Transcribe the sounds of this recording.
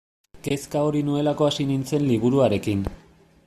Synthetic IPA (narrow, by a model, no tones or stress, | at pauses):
ke̞skao̞ɾinue̞lako̞asinint͡se̞nliβuɾuaɾe̞kin